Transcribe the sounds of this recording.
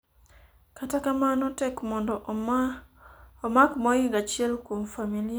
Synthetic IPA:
katakamanɔtɛkmɔndɔ | ɔmakmɔjɪŋɡat͡ʃɪɛlkwomfamilɪa

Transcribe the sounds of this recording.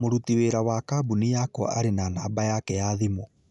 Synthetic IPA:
moɾutiweːɾawakabunijakɔ̰ʔaɾenanaːbajakɛjaðimo

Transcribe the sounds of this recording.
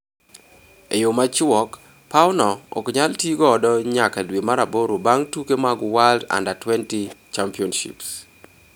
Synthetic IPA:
ejomat͡ʃwɔk | pawnɔɔ̰kɲaltjiɡɔːdɔɲakadwemaɾaboɾobaŋtukemaɡwalda̰ndatwɛntit͡ʃampiɔnʃḭps

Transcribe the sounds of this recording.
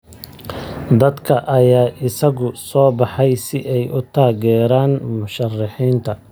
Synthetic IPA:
d̪ɐd̪kʰɐʔɐjaːʔɪsɐɣʊsɔːbɑħɛjsɪʔɛjʊt̪ʰaːɣɛːɾaːnmʊʃɐrɑħiːnt̪ʰɐ

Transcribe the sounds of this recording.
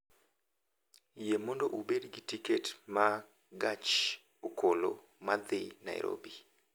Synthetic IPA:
jemɔndoʔubedɡitiketma | ɡat͡ʃ | okʰolo̰ | mad̪ɪna̰ɪ̰ɾʔo̰bi

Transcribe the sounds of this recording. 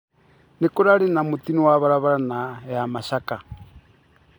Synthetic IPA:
nikuɾalinamutiniwaβaɾaβaɾanajamaʃaka

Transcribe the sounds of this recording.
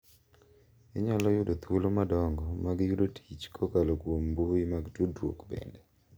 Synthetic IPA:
iɲalɔjʊdot̪olomadɔŋɡɔmaɡjudotʰit͡ʃkʰɔkalokwomboimaɡtodwo̰kbɛ̰ndɛ

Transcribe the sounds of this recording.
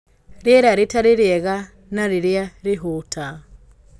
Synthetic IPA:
ɾjɛɾaɾetaɾeɾjɛɣa | naɾeɾjaɾeɦutʰa

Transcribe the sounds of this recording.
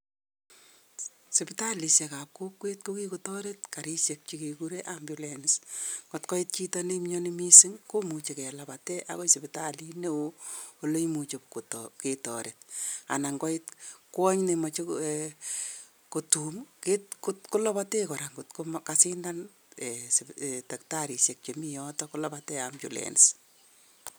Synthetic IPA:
sɪpitalisjekap̚kokwet̚kokikutɔɾetkaɾiʃjek̚t͡ʃikikuɾeʔambjʊlenisɡ̥ɔtkɔit̚t͡ʃitɔnemɲɔnimisɪŋkomut͡ʃekɛlapatɛʔa̰kojsɪpitalineooloimut͡ʃepktketɔ̰ɾet̚a̰naŋɡɔɪt̚kwɔɲnemɔt͡ʃe | kotumketkʊtkʊlɔpatekɔɾaŋɡʊtkʊmkasɪndan | ɛstak̚taɾisjek̚t͡ʃemijɔtɔkʊlɔpatɛamt͡ʃṵlḛnɪs

